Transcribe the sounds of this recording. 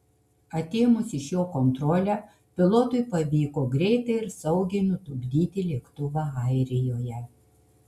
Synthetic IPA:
ɐt̪ʲeːmʊsʲɪʃjoːkɔnt̪ɾɔːlʲæː | pʲɪlˠot̪ʊɪpɐʋʲiːkoːɡɾʲɛɪt̪ɐɪɪɾsɐʊɡʲɛɪnʊt̪ʊɡʲd̪ʲiːt̪ʲɪlʲeːkt̪ʊʋɑɐˑɪɾʲɪjoːjɛ

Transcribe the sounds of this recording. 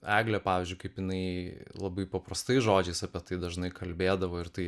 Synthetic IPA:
æːɡlʲɛpɑːʋʲɪːzʲd͡ʒʲʊɪkɐɪpjɪnɐɪlˠɐbɐɪpɐpɾɐst̪ɐɪsʒoːd͡ʒʲɛɪsɐpʲɛt̪ɐɪd̪ɐʒnɐɪkɐlʲbʲeːd̪ɐʋoːɪɾt̪ɐɪ

